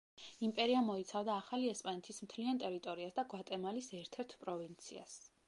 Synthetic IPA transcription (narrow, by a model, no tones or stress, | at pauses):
impʼɛɾiamɔit̪sʰavd̪aːχaliɛspʼanɛt̪ʰismt̪ʰliant̪ʼɛɾit̪ʼɔɾiasd̪aɡwat̪ʼɛmalisɛɾt̪ʰɛɾt̪ʰpʼɾɔvint̪sʰḭa̰s